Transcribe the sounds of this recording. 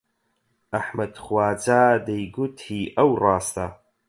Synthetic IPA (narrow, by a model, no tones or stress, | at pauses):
aħmɐd̪χwaːd͡zaːd̪ajɡut̪ʰiːʔɐwrɑːst̪ʰa